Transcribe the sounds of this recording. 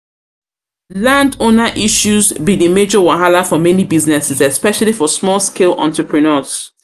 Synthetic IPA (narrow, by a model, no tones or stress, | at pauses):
lãndonaʔiʃuzbiðimed͡ʒɔwaɦalafɔmɛnibiznɛsɛzɛspɛʃalifɔsmɔlˠskʰelɔ̰̃ntɹɛpʰɹinɔz̥